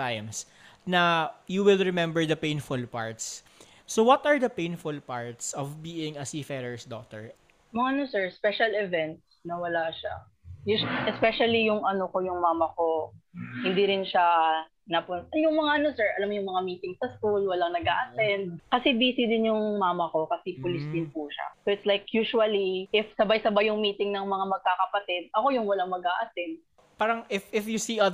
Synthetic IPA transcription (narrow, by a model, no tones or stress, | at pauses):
ajms | nɐjuwɪlɹɛmɛmbɛɹd̪ɐpẽj̃nfʊlpa̰ɹt̪sː | owɐt̪ɐɹd̪ɐpẽjnfʊlpaɹt̪sɔvbiːɪŋɐsifɛɾɛɹsd̪ɔk̚t̪ɛ̰ɹ | mɐŋaɐnosɛɹspɛʃɐlɪvɛnt̪snɐwɐlaʃa̰ | jʊʔɛspɛʃɐlijʊŋʔɐnokojʊŋmaːmɐkohɪ̃nd̪iɾɪnʃa | nɐpʊnjʊŋmɐŋaʔɐno̞sɛɹʔɐlamːjʊŋmɐŋamiːt̪ɪŋsɐskulwɐlaŋnɐɡʔa̰ːʔɐsɛnd̪̚kɐsɛbiːsɪd̪ɪnjʊŋmaːmɐko̞kɐsipʊlɪsd̪ɪnpuʃa̰soɪt̪slajkjuːʃʊɐliʔɪfsɐbajsɐbajʊŋmiːt̪ɪŋnɐŋmɐŋamɐɡ̚kakɐpɐt̪ɪd̪̚ʔɐko̞jʊŋwɐlaŋmɐɡaːʔɐsɛnd̪̚ | paːɾɐŋʔɪfɪfjusiɐ